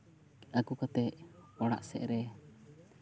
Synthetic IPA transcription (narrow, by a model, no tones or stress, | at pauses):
akukat̪ɛʔɔɽa̰ʔsɛ̰ʔɾɛ